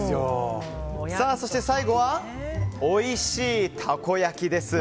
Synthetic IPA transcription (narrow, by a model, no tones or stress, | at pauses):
o | saːso̞ɕi̥t̪e̞saiɡo̞βa | oiɕiːt̪ʰako̞jakʲid̪e̞sɨ